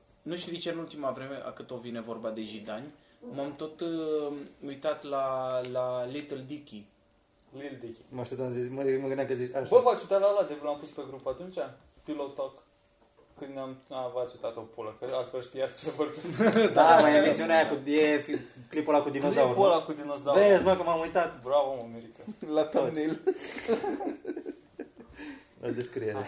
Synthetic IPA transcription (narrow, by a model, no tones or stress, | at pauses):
nuʃt̪id̪it͡ʃeɨnult̪imavɾe̞me̞ʔa̰kɨt̪o̞vine̞vo̞rbad̪e̞ʒid̪anʲ | mamt̪o̞t̪ | ujt̪at̪lalalit̪əld̪ikʲi | lild̪ikʲimaʃt̪ept̪amzismməɡɨnakəzit͡ʃabəvat͡ʃut̪at̪lalad̪evlampuspe̞ɡɾupat̪unt͡ʃa | pilot̪ok | kɨnd̪nʲamavat͡ʃut̪at̪opuləkəalfelʃt̪ijatst͡ʃevəɾd̪amajemisiunajakujefiklipolakud̪inozawopolakud̪inozavesmakəmamujt̪at̪bɾavomameɾikəlat̪anil | la̰d̪eskɾieɾe